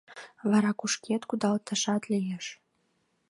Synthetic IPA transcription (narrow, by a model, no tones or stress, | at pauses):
vɑɾɑkuʃkʲet̪kud̪ɑlt̪ə̆ʃɑt̪lʲijeʃ